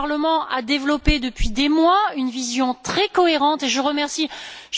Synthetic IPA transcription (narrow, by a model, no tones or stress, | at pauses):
ʁləmɑ̃ʔa̰d̪evlɔped̪əpɥid̪emwaynvizjɔ̃t̪χɛkɔeʁɑ̃t̪eʒəʁəmɛʁsiʒ